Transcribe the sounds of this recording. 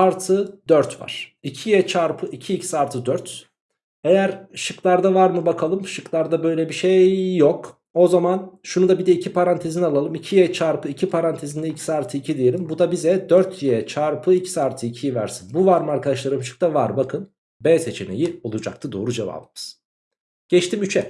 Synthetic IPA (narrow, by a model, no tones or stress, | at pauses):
aɾt̪ʰɯd̪øɾt̪va̰ɾ̥icʰijɛt͡ʃʰaɾpʰɯicʰiːcʰi̥saːɾt̪ʰɯd̪øɾt̪ | ejæɾʃɯklˠaɾd̪avaɾmɯbakʰalˠɯmʃɯklˠaɾd̪abø̞jlʲɛbiʃejːok | o̞zamanʃunud̪abid̪ɛicʰipʰaɾant̪ʰe̞zinialˠalˠɯmicʰijɛt͡ʃʰaɾpʰɯicʰipʰaɾant̪ʰezind̪ɛilcʰi̥saːɾt̪ʰɯicʰid̪ejelʲimbud̪abizɛd̪øɾt̪ʰjɛt͡ʃʰaɾpʰɯicʰi̥saːɾt̪ʰɯicʰijivæ̰ɾsinbuvaɾmɯaɾkʰad̪aʃlˠaɾɯmʃɯ̥k̚d̪avaɾbakʰɯn | bɛːse̞t͡ʃʰene̞̰jio̞lˠud͡ʒa̰k̚t̪ʰɯd̪o̞ːɾud͡ʒeva̰bbiz̥ | ɟ̥ɛt͡ʃt̪imyt͡ʃʰɛ